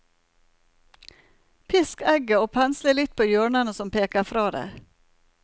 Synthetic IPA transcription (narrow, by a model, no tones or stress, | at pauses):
pʰɪskæɡəoːpʰɛnsləlɪt̪̚pʰoːjøːɳənəsɔmpʰeːkəfɾɑːd̪ḛː